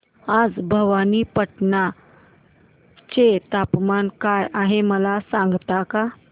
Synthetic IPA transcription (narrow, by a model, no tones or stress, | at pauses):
ad͡zbʱəʋaniːpəʈna | t͡ɕet̪apmankajaɦeməlasãŋɡt̪aka